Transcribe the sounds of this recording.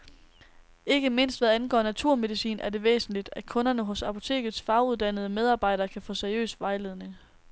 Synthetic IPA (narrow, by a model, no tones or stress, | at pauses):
e̝ɡ̥əme̝n̰sd̥ʋæðˠænɡ̥ɒ̰ːnæt͡sʰuɐ̰með̞ˠisḭːnæɐde̝ʋḛːsn̩lid̥ækʰɔ̽nɐnəɦɔ̽sɑ̈pʰo̝̥t͡sʰe̝̰ːɡ̥ð̞̩ˠsfɑ̈ʊuðˠd̥ænəð̞̩ˠəmeð̞ˠɑ̈ːb̥ɑ̈ɪ̰ɾ̥ɐːkʰæfɔ̰̽ːseɐiø̰ːsʋɑ̈ɪle̝ːð̞ˠne̝ŋ